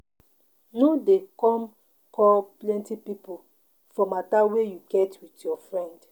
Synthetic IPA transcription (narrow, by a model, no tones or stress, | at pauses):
nodekɔ̃m | kɔplɛ̃ntipipu | fɔmatawejuɡɛtwitjɔfɹɛ̃nd